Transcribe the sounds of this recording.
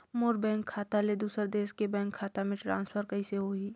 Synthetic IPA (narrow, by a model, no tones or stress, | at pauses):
moːɾbɛ̃ːŋkʰːaːt̪aled̪uːsəɾd̪eːʃkebɛ̃ːŋkʰːaːt̪amẽʈɾã̰ːnspʰəɾkəiseɦoiː